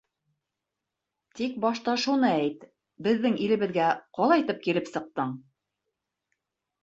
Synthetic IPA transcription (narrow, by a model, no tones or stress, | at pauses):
t̪ik̚bɑʃt̪ɑʃunɤæjt̪ | bɘ̆ðːɘŋilɘ̆βɘ̆ðɡæqɑlˠɑit̪ɘp̚kilɘpsɤ̆q̚t̪ɤɴ